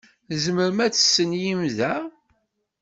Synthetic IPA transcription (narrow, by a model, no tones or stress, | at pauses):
zməɾmæt͡sːə̥sːənjimðæ